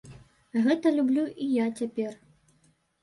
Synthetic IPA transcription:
ɣɛt̪ɐlʲublʲuʔijat͡sʲapʲɛr

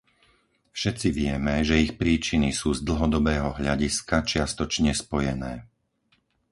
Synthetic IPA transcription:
fʃɛt̪t͡siʋɪɛmɛʒɛixpɾiːt͡ʃinisuːzd̪l̩ɦɔd̪ɔbɛːɦɔɦʎaɟiskat͡ʃɪast̪ɔt͡ʃɲɛspɔjɛnɛː

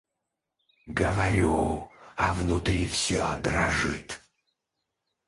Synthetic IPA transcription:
ɡəvɐɾʲuɐvnut̪ɾʲifsʲød̪ɾɐʐɨ̰t̪

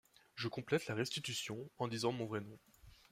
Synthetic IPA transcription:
ʒəkɔ̃plɛt̪laʁɛst̪it̪ysjɔ̃ɑ̃d̪izɑ̃mɔ̃vʁɛnɔ̃

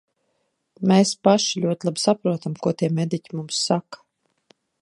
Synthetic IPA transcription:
mʲeːspaʃilʲuɔt̪ʲlˠabi̥sapɾuɔt̪amkuɔt̪iɛmʲed̪icʲimumsːakḁ

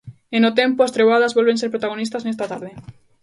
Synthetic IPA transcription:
enot̪empoast̪ɾeβaðazβolβenseɾpɾot̪aɣ̞onist̪asnest̪at̪aɾðe

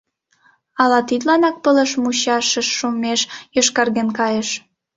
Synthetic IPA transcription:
ɑlɑt̪it̪lɑnɑk̚pələʃmuɕɑʃə̆ʃːumeʃjoʃkɑrɣenkɑjeʃ

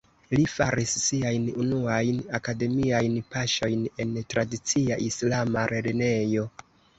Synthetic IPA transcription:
lifaɾisːiajnunuajnakade̞miajnpaʃo̞jne̞ntɾadit͡siaʔislamaɾʔeline̞jo̞

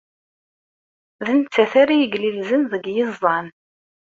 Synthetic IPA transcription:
ðənt͡sːæθaɾijəɡlilzənðəɡjɪzˤːɑn

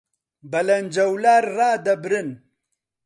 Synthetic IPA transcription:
bɐlɐnd͡ʒɐwlaːɾːaːd̪ɐbɾɪn

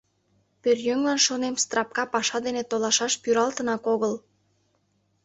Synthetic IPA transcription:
pørjøŋlɑnʃonemst̪rɑp̚kɑpɑʃɑd̪enet̪olɑʃɑʃpyɾɑlt̪ənɑkoɣəl

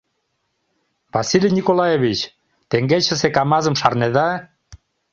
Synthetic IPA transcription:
vasilʲijnʲikolajeβit͡ɕ | t̪eŋɡet͡ɕə̆sekɑmɑzəmʃɑrneðɑ

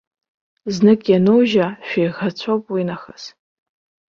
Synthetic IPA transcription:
znɨkʼjanowʒaʃᶣejʁat͡ɕʷʰowpʼwinaχaz

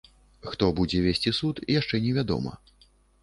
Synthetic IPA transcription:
xt̪ɔbud͡zʲɛvʲesʲt͡sʲisut̪ijaʂt͡ʂɛnʲɛvʲad̪ɔ̰mɐ̰

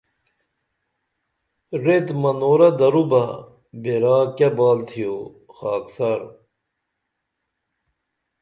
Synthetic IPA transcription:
ɾet̪mɐnoːɾɐd̪ɐɾubɐ | beɾaːkɐbaːlt̪ʰijo | xaːksɐɾ

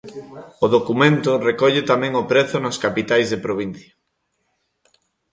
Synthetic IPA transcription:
oðokumẽnt̪ʊrekɔʎet̪amɛ̃ŋopɾeθʊnoskapit̪ajzðepɾoβ̞in̟θjɐ

